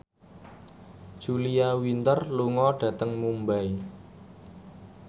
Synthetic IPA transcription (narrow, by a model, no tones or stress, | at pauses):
ʒ̥uliawint̪ərluŋɔɖ̥ä̤t̪əŋmumbai